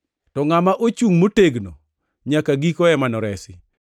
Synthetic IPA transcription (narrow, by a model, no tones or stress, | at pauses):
tɔŋamaʔot͡ʃuŋmoteɡno | ɲakaɡikɔɛmanɔɾɛsɪ